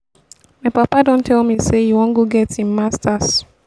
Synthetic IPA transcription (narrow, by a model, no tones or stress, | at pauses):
maɪpapadõntʰɛlmisejuwɔ̃ŋɡoɡɛtĩnmastas